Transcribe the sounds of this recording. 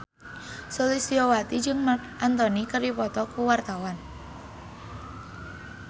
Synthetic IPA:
solisiɔwat̪id͡ʒɨŋmakʔant̪ɔnikəɾipɔt̪ɔkuwart̪awan

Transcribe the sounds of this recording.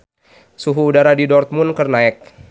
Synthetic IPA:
suɦuːdaɾadidɔrt̪̚munkərnaɛk̚

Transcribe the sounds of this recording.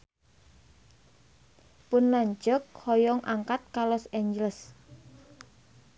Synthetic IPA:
pʊnlaɲd͡ʒɔk̚hɔjɔŋʔaŋkat̪̚kalɔseɲd͡ʒələs

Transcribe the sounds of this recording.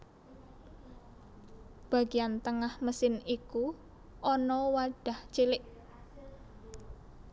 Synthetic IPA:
b̥a̤ɡ̥iant̪əŋahməsɪniku | ʔɔnɔwaɖ̥a̤ht͡ʃilɪʔ

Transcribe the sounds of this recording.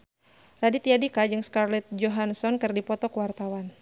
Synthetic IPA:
radit̪iadikad͡ʒɨŋskarlɛt̪̚d͡ʒɔɦansɔnkɨrdipɔt̪ɔkuwart̪awan

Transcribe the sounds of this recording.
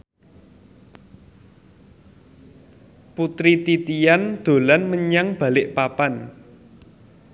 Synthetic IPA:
put̪ɾit̪it̪ijand̪̥o̤lanməɲaŋb̥ä̤lɪʔpapan

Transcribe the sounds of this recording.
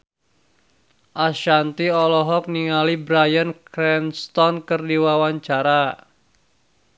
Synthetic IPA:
ʔaʃant̪iɔlɔɦɔk̚niŋalibɾajənkɾɛnst̪ɔnkərdiwawaɲt͡ʃaɾa

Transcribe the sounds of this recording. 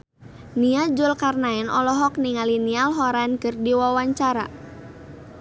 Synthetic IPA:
niad͡ʒʊlkarnaɛnʔɔlɔɦɔk̚niŋalinialɦɔɾankɨrdiwawaɲt͡ʃaɾa̰

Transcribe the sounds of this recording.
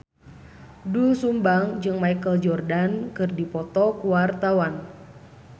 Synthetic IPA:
dulsumbaŋd͡ʒɨŋmaikəld͡ʒɔrdankɨrdipɔt̪ɔkuwart̪awan

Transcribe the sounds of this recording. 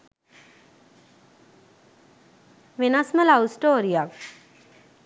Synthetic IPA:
ʋenasməlawusʈoːɾijak

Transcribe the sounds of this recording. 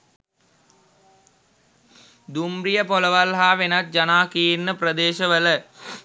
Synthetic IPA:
d̪umbrijəpoləʋalɦaːʋenat̪̚d͡ʒanaːkijinːəprəd̪eːʃəʋələ

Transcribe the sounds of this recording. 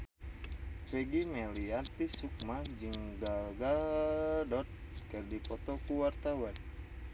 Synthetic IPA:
fɛɡimɛliat̪isuk̚mad͡ʒɨŋɡaɡa | dɔt̪̚ | kɨrdipɔt̪ɔkuwart̪awan

